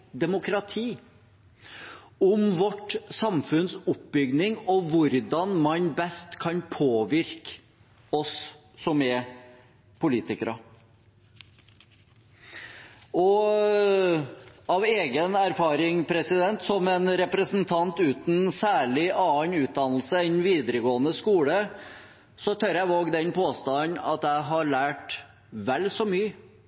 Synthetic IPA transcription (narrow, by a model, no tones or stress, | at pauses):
d̪ɛmʊkɾɑt̪ʰiː | ɔmʋɔʈsɑmfʉnsʊp̚bʏɡnɪŋɔʋʊɾd̪ɑnmɑnbɛst̪kʰɑnpʰoːʋɪɾk | ɔsː | ɔmɛ | pʰʊliːt̪ɪkəɾɑ | ɔ | ɑʋeːɡənæɾfɑːɾɪŋpʰɾɛsɪd̪ɛnt̪sɔmɛnɾɛpɾəsn̩t̪ʰɑnt̪ʉːt̪n̩sæːɭɪʔɑːnʉːt̪̚d̪ɑnl̩səɛnʋiːd̪əɾəɡoːənəskuːlə | sɔt̪ʰœɾjæɪʋoːɡd̪ɛnpʰoːst̪ɑnɑ̰t̪æɪɦɑɭæːʈ | ʋɛlːsɔmyːə